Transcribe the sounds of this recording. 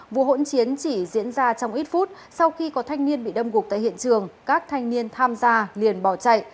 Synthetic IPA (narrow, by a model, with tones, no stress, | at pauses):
vṵ˧˨əɦo̰˧˥nt͡ɕi˨˦ənt͡ɕi˧˩zḭ˧˥ənzaː˧t͡ɕɔ˧wŋ͡mʔi˦˥t̚fu˦˥t̚ | sa˧wxi˧kɔ˨˦t̪ʰa˧jŋ̟ni˧ənɓḭ˧˨ɗə˧mɣu˨˩k̚t̪a̰ː˧˨hḭ˧˨ənt͡ɕɨ˨˩əŋkaː˦˥k̚t̪ʰa˧jŋni˧ənt̪ʰaː˧mzaː˧li˨˩ənɓɔ˧˩wt͡ɕa̰˧˨j